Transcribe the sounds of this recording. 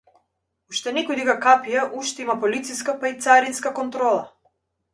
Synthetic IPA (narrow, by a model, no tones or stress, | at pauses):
uʃt̪ɛnɛkɔjd̪iɡakapijaʔuʃt̪ɛimapɔlit̪siskapait̪saɾinskakɔnt̪ɾɔlˠa